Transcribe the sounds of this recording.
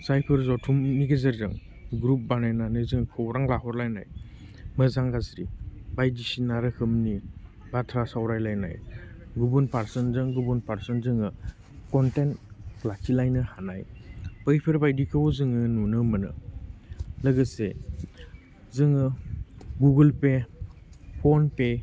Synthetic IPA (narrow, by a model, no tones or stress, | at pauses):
sajpʰɯɾzɔtʰumːiɡezaɾzɯŋ | ɡɾup̚banajnanɯzɯŋkʰɔwɾaŋlaɦɔɾlajnaj | mɯzaŋɡasɾibajdisinaɾɯhʰɯmni | batʰɾasawɾajlajna̰jɡubunpaɾsɯnzɯŋɡubunpaɾsɔnzɯŋɯ | kɔntentlakʰilajnɯhanajpəjpʰeɾbajdikʰɯwɔzɯŋɯnunɯmɯnɯ̰ | lɯɡɯse | zɯŋɯ | ɡuɡɯlpe | pʰɔnpe